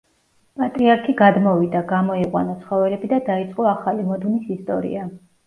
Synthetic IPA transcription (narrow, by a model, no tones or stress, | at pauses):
pʼat̪ʼɾiaɾkʰiɡad̪mɔvid̪aɡamɔiqʼwa̰nɔt̪sʰχɔvɛlɛbid̪ad̪ait̪sʼqʼɔaχalimɔd̪mnisist̪ʼɔɾḭa